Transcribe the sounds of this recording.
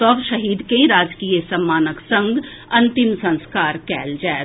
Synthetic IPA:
t̪ɔːbʃɐɦiːd̪kẽɾaːd͡ʒkiːəsɐmːaːnəksɐ̃ŋɡ | ɐ̃nt̪ɪmsɐ̃nskaːɾkɛːld͡ʒae

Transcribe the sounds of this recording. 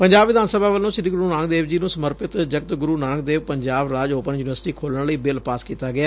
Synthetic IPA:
pəɲd͡ʒaːbʋɪd̪ʱaːnsəbʱaːʋəlːõːʃɪɾiːɡʊɾuːnãːŋɡd̪eːʋd͡ʒiːnũːsəməɾpɪt̪d͡ʒəkt̪ɡʊɾuːnãːŋɡd̪eːʋpəɲd͡ʒaːbɾaːd͡ʒoːpənjuːnɪʋəɾsʈiːkʰoːlnləiːbɪlpaːskiːt̪aːɡɪaː

